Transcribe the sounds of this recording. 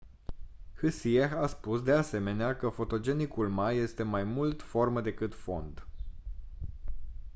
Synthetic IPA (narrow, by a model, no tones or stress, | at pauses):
hɨsijexaspusd̪e̞ase̞me̞neakəfo̞t̪o̞d͡ʒe̞nikulmaje̞st̪e̞majmult̪fo̞rməd̪e̞kɨt̪fo̞nd̪